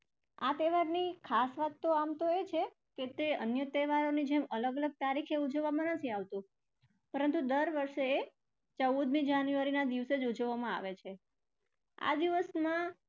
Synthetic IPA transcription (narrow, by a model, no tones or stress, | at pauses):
at̪eʋaɾnikʰasʋat̪ːoamt̪oet͡ʃʰe | ket̪eənjət̪eʋaɾonid͡ʒemələɡələɡ̚t̪aɾikʰeud͡ʒəʋːamãnət̪ʰiaʋt̪o | pəɾənt̪ud̪əɾʋəɾʃee | t͡ʃəwud̪mid͡ʒanjuaɾinad̪iʋsed͡ʒud͡ʒəʋːamãa̰ʋet͡ʃʰe | a̰d̪iʋəsmã